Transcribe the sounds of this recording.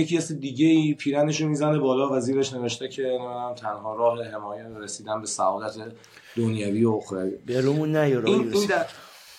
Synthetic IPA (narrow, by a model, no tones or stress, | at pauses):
jecʰiæsed̪iːɟeiːpʰiːɾæne̞ʃ̬omizænebɒːlɒːvæziːɾeʃne̞veʃt̪ecʰe̞nææmt̪ʰænɦɒːɾɒːɦeɦe̞mɒːjæɾesiːd̪ænbe̞sæ̰ɒːlæt̪ʰe | d̪̥onjæviːooxɾæɾḭbeɾumunːæjoɾininnd̪æ